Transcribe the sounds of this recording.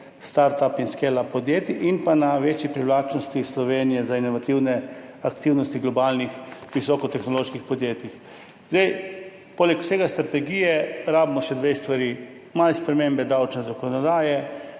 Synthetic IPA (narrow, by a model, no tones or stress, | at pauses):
st̪aɾt̪apinskelapɔd̪jeːt̪iʔinpanaʋet͡ʃjipɾiwlaːt͡ʃnɔst̪islɔʋeːnijɛzainɔʋat̪iwnɛakt̪iwnɔst̪iɡlɔbaːlnixʋisɔːkɔt̪ɛxnɔloːʃkixpɔd̪jeːt̪ix | zd̪ej | poːlɛkwʊ̥seːɡast̪ɾat̪ɛɡijɛɾaːbimɔʃɛd̪ʋest̪ʋaɾi | malspɾɛmembɛd̪awt͡ʃnɛzakɔnɔd̪aːjɛ